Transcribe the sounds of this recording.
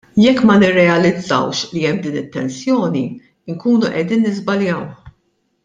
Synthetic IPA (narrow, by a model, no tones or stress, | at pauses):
jɛkːmɐnɪrːɛɐlɪd͡zːɐ̰wʃliɛmːd̪iːnɪt̪ːɛnsjɔːni | ɪŋkuːnuʔɛd̪iːnːɪzbɐljɐwħ